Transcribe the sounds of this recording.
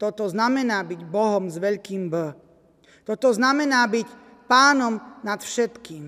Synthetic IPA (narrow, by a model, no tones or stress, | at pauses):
t̪ɔt̪ɔznamɛnaːbiɟbɔɦɔmzʋɛʎkiːmbə | t̪ɔt̪ɔznamɛnaːbic | paːnɔmnat̪fʃɛt̪kiːm